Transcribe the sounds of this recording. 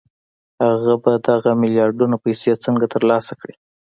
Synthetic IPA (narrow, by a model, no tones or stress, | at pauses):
haɣabad̪aɣamɪljɑɾɖunopajset͡səŋɡat̪əɾlɑsakɽi